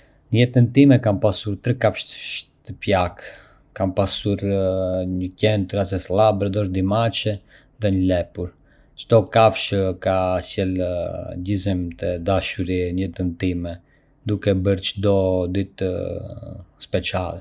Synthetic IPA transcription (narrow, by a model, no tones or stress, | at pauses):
ɲəjɛt̪ənt̪imɛkampasuɾt̪ɾɛkafʃʃt̪əpjak | kampasuɾɲəcɛnt̪ɾazɛslabɾɛd̪ɔɾd̪imat͡ʃɛ | ðɛɲəlɛpuɾ | t͡ʃt̪ɔkafʃəkasjɛlɟizimt̪ɛd̪aʃuɾiɲɛt̪ənt̪imɛ | d̪ukɛbəɾt͡ʃd̪ɔd̪it̪ | spɛt͡ʃalˠɛ